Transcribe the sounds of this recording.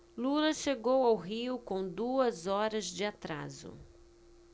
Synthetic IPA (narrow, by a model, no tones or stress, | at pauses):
lulɐʃeɡowawɦiʊkõw̃d̪uɐzɔɾɐzd͡ʒɪat̪ɾa̰zʊ̰